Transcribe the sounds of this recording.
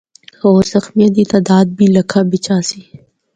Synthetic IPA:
oːɾzɐxmijəd̪̬it̪aːd̪aːd̪̚biːlɐkʰaːbɪt͡ʃãːsi

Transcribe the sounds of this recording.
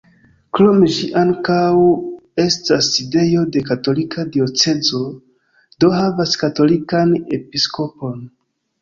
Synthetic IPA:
kɾo̞me̞ʃiʔaŋkawe̞staside̞jo̞de̞kato̞likadio̞t͡se̞zo̞ | do̞havaskato̞likane̞pisko̞po̞n

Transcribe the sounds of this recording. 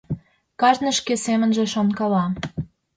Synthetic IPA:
kɑʒnə̆ʃkesemə̆nʒĕʃonkɑlɑ

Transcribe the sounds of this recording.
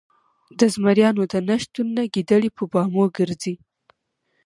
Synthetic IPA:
d̪əzmaɾjɑnod̪ənaʃt̪unːaɡid̪əɽipəbɑmoɡəɾzi

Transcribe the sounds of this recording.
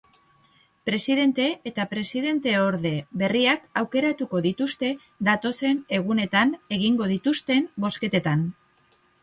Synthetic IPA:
pɾe̞siðe̞nt̪e̞ːt̪apɾe̞siðe̞nt̪e̞o̞ɾðe̞βe̞riakawke̞ɾat̪uko̞ðit̪ust̪e̞ | d̪at̪o̞se̞ne̞ɣ̞une̞t̪ane̞ɣ̞iŋɡo̞ð̞it̪ust̪e̞mbo̞ske̞t̪e̞t̪an

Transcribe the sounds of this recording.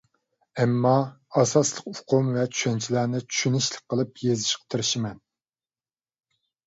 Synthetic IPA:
ɛmːɑ | ɑsɑslˠəqʊqʰomvɛt͡ʃʰy̥ʃɛnt͡ʃʰilænɪt͡ʃʰy̥ʃynɪʃlˠɨk̚qʰːəlˠɨpjezɪʃqə̥t̪ʰɨɾɪʃɪmɛn

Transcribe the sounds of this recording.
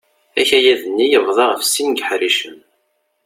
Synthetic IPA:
æçæjæðənːijəvðˤɑʁəfsinɡħɾiʃəm

